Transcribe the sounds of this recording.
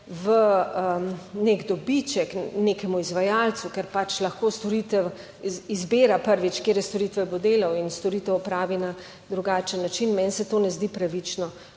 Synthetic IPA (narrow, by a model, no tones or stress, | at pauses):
ʋəəneɡd̪ɔbit͡ʃɛkneːkɛmuizʋajalt̪sukɛɾpat͡ʃlɐxkoːst̪ɔɾit̪ɛw | izbeːɾapəɾʋit͡ʃkjeːɾjɛst̪oɾit̪ʋɛbod̪eːlawinst̪ɔɾit̪ɛwɔpɾaːʋina | d̪ɾuɡaːt͡ʃənːat͡ʃinmɛnsɛt̪oːnɛzd̪ipɾaʋit͡ʃnɔ